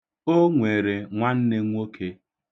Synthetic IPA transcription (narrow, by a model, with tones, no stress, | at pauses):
o˦ŋʷe˨ɾe˨ŋʷa˦n̩˦ne˦ŋʷ˦o˦kʰe˦